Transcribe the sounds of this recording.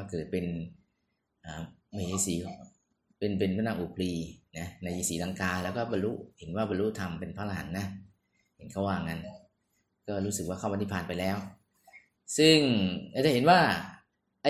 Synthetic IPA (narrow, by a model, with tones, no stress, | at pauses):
a˧˩kɤː˨˩t̪̚pe˧n | ʔaː˨˩ma˥˧˩ʔa˧˩siː˨˦ | pe˧np̬e˧npʰa˥˩naː˧˩ʔuː˨˩pʰliː˧na˦˥na˧jʔiː˧siː˨˩˦la˧ŋkaː˧lɛ˦˥wkɔː˥˩ba˧lu˦˥he˨˩˦nwaː˥˩ba˧nlu˦˥ʔt̪ʰa˧mpe˧npʰaː˦˥˩ʔa˧ɦa̰˩˦nːa˦˥ | he˩˦nkʰa˥˩waː˧˩ŋa˧n | kɔː˥˩ɾuː˦˥sɯ˨˩k̚waː˥˩kaː˥˩ma˧niː˧˥˩pʰaː˧˩npa˧jlɛː˦˥w | sɯ˥˩ŋʔaː˧˩t͡ɕa˨˩ɦe˨˦nwaː˥˩ | ʔa˧˩